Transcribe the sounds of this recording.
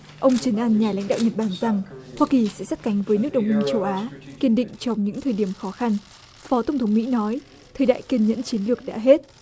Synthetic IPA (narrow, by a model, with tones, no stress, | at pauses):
ʔə˧wŋ͡mt͡ɕə˨˦nʔaː˧nɲaː˨˩la̰˧˥jŋ̟ɗa̰ː˧˨wɲə˨˩t̚ɓaː˧˩nza˨˩ŋhwaː˧ki˨˩sɛ̰˧˥sa˦˥t̚ka˨˦jŋ̟vəː˨˦jnɨ˦˥ək̚ɗə˨˩wŋ͡mʔi˧nt͡ɕə˧wʔaː˨˦ki˧˩ənɗḭ̈˧˨ŋ̟t͡ɕɔ˧wŋ͡mɲɨ̰˧˥ŋt̪ʰəː˨˩ɗi˧˩əmxɔ˨˦xa˧n | fɔ˨˦t̪ə˧˩wŋ͡mt̪ʰə˨˦wŋ͡mmḭ˧˥nɔ˨˦j | t̪ʰəː˨˩jɗa̰ː˧˨jki˧ənɲə̰˧˥nt͡ɕi˨˦ənlɨ˨˩ək̚ɗa̰ː˧˥ɦe˦˥t̚